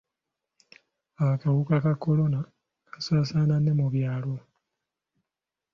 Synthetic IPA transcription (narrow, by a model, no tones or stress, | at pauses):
aakawukakakːo̞lo̞na | kḁsaːsaːnanːe̞muβjaːlo